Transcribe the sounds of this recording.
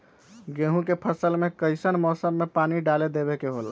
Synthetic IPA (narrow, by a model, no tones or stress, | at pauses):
ɡeɦũkepʰəsəlmekəɪsənmɔsəmːepaniɖaled̪eβekeɦol